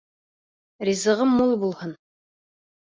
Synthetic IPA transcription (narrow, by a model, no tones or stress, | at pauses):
rʲizɤ̆ʁɤmːulˠbulˠhɤn